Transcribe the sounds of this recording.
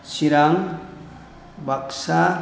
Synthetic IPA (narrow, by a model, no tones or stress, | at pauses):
siɾaŋ | baksa